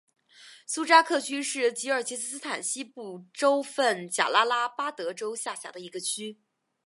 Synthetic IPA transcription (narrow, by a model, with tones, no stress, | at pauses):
su˥ʈ͡ʂa˥kʰɤ˥˩t͡ɕʰy˥ʂɻ̩˥˩t͡ɕi˧˥ə˞˨˩t͡ɕʰi˧˥s̩˥˧sɹ̩˥t̪ʰa˨˩nɕi˥pu˥˩ʈ͡ʂo˥ʊfə˥˩nt͡ɕja̰˨˩la˥la˥pa˥t̪ɤ˧˥ʈ͡ʂo˥ʊɕja˥˩ɕja̰˧˥d̪ə˧i˧˥ɡə˧t͡ɕʰy˥